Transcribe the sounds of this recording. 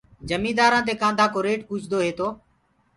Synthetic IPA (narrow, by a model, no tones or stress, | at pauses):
d͡ʒəmĩːd̪aːɾãːt̪̬eːkãːnd̪ʱaːkoːɾeːʈpuːt͡ʃd̪oːɦeːt̪oː